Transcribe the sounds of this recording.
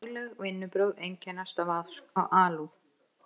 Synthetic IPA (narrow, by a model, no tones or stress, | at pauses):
lɛɣɔɣɪnːʏpɾœɥðejɲcɛnast̪avaðska̰wʔaːlu